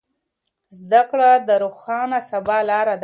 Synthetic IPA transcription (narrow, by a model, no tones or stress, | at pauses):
zd̪akɽad̪əɾoxɑnasabɑlɑɾad̪